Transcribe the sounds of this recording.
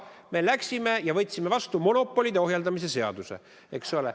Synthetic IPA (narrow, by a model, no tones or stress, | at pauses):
me̞læksʲime̞jɑvɤt̪ʲːsimːevɑst̪umo̞no̞pːˑo̞lʲid̪̥eo̞ɦjɑld̪ɑmis̬e̞se̞ɑ̰d̪̥use̞̰ | eksole